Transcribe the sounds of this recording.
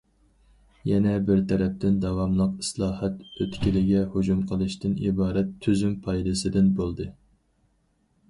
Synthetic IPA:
jɛnɛbɪɾt̪ʰɛɾɛp̚t̪ɪnd̪ɑwɑmlˠəqɨslˠɑːhɛt̪øt̪kʲilɪɡʲɛhud͡ʒumqʰəlˠɨʃt̪ɪnḭbɑːɾɛt̪ʰːyzympʰɑjd̪ɨsɨd̪ɪnbolˠd̪ɨ

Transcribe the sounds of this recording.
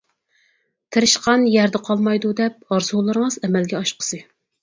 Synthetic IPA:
t̪ʰɪɾɪʃqʰɑnjæɾd̪ɛqʰɑlˠmɑjd̪ud̪ɛp̚ɑɾsolˠɨɾəŋəzɛmɛlɡʲɛɑʃqʰə̥sɨ

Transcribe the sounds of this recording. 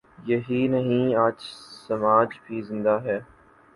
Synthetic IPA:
jɐɦinɐɦĩaːt͡ʃsɐmaːd͡ʒbʱiːzɪ̃nd̪aɦɛː

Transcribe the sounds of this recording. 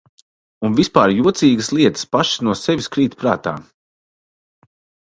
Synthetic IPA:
unvispaːɾjuɔt̪siːɡəslˠiɛt̪ə̥spaʃsnuɔsɛvʲiskɾiːt̪pɾa̰ːt̪a̰ː

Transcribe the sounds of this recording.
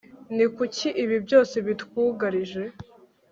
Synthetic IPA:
nikucʰiʔiβibjo̞ːse̞βit̪wuːɡaɾiʒe̞

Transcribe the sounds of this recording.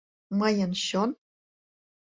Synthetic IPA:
mɤjɤ̆nɕon

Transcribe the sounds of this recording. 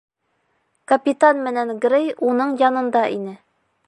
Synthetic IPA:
kɐpʲit̪anmɘ̆nænɡɾejunɤɴjɒnɤ̆nd̪ɑʔinɘ

